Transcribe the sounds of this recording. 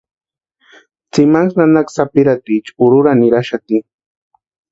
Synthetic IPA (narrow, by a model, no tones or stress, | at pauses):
t͡sɪmaŋsnanaksapɪɾat̪it͡ʃʊɾʊɾanɪɾaʃat̪i